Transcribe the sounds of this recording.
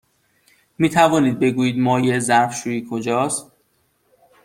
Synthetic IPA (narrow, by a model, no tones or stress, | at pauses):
miːt̪ʰævɒːniːd̪̚be̞ɡuːjiːd̪mɒːjezæɾfʃuːiːkʰod͡ʒɒːst̪